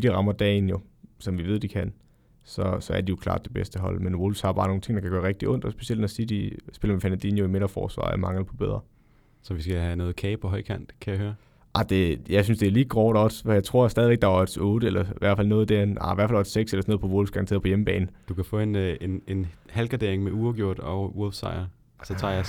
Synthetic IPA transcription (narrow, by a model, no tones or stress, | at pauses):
d̥iʁɑ̈mɐd̥ɛ̰ːnjo̝sɒ̽mʋiʋe̝ð̰ˠd̥ikʰæn̰ | sɒ̽sɒ̽æɐdijo̝kʰlɑ̰̈ːd̥̚ːe̝b̥esd̥əɦɒ̽l̰menʋolʋshɑ̈bɑ̈ːno̝ːnt͡sʰe̝ŋ̰ːdɑ̈kʰæɡ̥ɶːɐʁeɡ̥̚d̥iʔɔ̽n̰d̥ɒsb̥e̝sield̥nɒsid̥isb̥e̝lɐmefænænd̥ḭnjoimeɾ̥ɐfɒ̰ːsʋɑ̰ːa̰mɑ̈ŋləpʰɒ̽b̥eð̞̰ˠʁɐ | sɒ̽ʋisɡ̥æhænɔ̽ːð̩ˠkʰɛɪpʰɒɦɒ̽ɪ̰kʰæn̰d̥kʰæjɑhøːɐ | ʔɑd̥e̝jɑ̈ɪsynsd̥e̝æɐliːɡ̥ʁɒʊɾ̥ɒsjɑ̈ɪt͡sʰʁo̝ɐ̰sd̥ɛːðiʋeɡ̥̚d̥ɑ̈ɒd̥sɔ̽ːɾ̥əelɐʋʔæɐ̰dfæl̰nɔ̽ːð̞̩ˠd̥æɐenɑ̰ʋæɐ̰fælɒd̥seɡ̥selɐsɒnoð̩ˠpʰɒ̽ʋolsɡ̥ɑ̈nt͡sʰe̝̰ɐ̥pɒ̽jeməb̥ɛ̰ːn̩d̥ukʰæfɔ̽ːe̝nenenhælɡ̥ʁɑd̥e̝ɐ̰eŋmeuːɐɡ̥jo̝ɐ̰d̥ɒwolfsɑ̰̈ɪɐ | sɒt͡sʰɑ̰̈ːjɑ